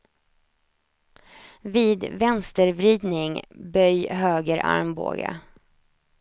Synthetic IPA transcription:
viːd̪vɛnst̪əɾvɾiːd̪nɪŋbœjɦøːɡəɾʔa̰ɾmbo̰ːɡa̰

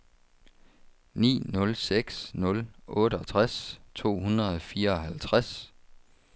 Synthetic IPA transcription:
nḭːnɔ̽lseɡ̥snɔ̽lʔɔ̽ːɾəɒ̽t͡sʰʁast͡sʰo̝̰ːhunʁɐð̩ˠɒfiːɐɒ̽ɦælt͡sʰʁas

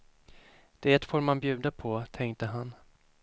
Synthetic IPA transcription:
d̪̥eːt̪foːɾmanbjʉ̟ːd̪apʰɔt̪ʰɛŋkt̪əɦan

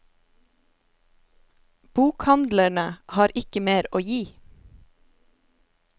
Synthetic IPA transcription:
b̥uːkhɑnd̪læɳəhɑːɾʔɪkəmeːɾoːjiː

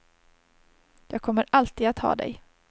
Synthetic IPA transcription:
jɑːɡ̚kʰɔmːəɾalt̪iːd̪at̪hɑ̰ːd̪ɛ̰j

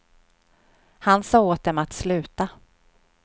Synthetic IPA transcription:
hansɑːoːt̪̚d̪ɛmat̪slʉ̟ːt̪a

